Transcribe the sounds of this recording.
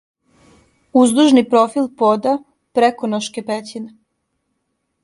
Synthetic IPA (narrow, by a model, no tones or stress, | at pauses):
uzd̪uʒnipɾofilpod̪a | pɾekonoʃkepet͡ɕine